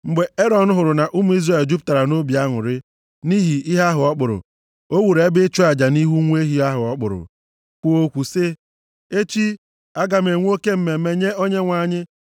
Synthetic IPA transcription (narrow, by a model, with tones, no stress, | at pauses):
ŋ͡m̩˨ɡ͡be˨e˦ɾɔ˨n̩˦ɦʊ˨ɾʊ˨na˨ʔu˦mu˨˦i˦zre˨ld͡ʒu˦p̬ʊ̥˦ta˨ɾa˨no˦bi˨a˦ŋʊ̰˨ɾɪ˦ | ni˦ɦi˨i˦ɦa˦ɦʊ˨ɔ˦k͡pʊ˨ɾʊ̰˨ | o˦wu˨ɾe˨˦bɪ˦t͡ʃu˦a˨d͡ʒa˨ni˦ɦu˦ŋʷ˦e˦ɦi˦a˦ɦʊ˨ɔ˦k͡pʊ̰˨ɾʊ̰˨ | kʷu˦o˦kʷu˨sɪ˦ | e˦t͡ʃi˦ | a˦ɡa˨m̩e˨ŋʷ˦o˦ke˦m̩˦me˨˦me˨ɲe˦o˦ɲe˦ŋʷa˨ɲɪ˦